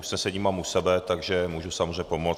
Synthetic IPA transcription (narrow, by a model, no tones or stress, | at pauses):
usnɛsɛɲiːmaːmusɛbɛt̪aɡʒɛmuːʒusamozreɲɛpo̞mo